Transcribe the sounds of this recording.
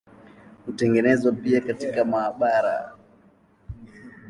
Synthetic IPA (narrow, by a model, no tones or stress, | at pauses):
hutɛŋɡɛnɛzwapiakatikamaːɓaɾa̰